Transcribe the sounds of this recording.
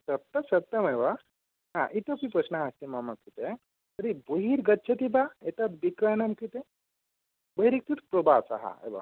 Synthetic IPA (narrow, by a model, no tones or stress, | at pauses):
sɐp̚t̪əsɐt̪ːɐmeʋa | ɦã̰ʔit̪əpipɾəsnaɦast̪imamɐkit̪e | t̪əɾiboɦiɾɡɐtːʃʰɐt̪ibaet̪at̪bikɾanamkit̪e | bəɦiɾik̚t̪ut̪pɾobat͡sa̰ɦa̰ḛʋa̰